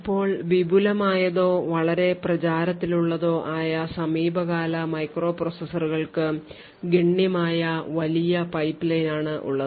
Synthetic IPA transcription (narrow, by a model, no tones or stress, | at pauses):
ipːo̞ːɭʋibʱulɐmaːjɐðo̞ːʋɐɭɐɾe̞prɐt͡ɕaːɾɐt̪ːiluɭːɐðo̞ːʔaːjɐsɐmiːbʱɐɣaːlɐmɐjkro̞ːprosɐsɐruɣɐɭkɨ | ɡiɳːjɐmaːjɐʋɐlijɐpɐjpːilɐjnaːɳɨʔṵɭːɐðɨ